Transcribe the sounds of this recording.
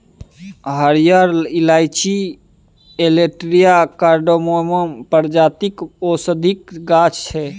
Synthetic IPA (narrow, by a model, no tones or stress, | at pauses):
ɦəɾijəɾilajt͡ʃi | eleʈɾijakaɾɖomoməmpəɾd͡ʒat̪ikosəd̪ʱikɡat͡ʃt͡ʃʰɛ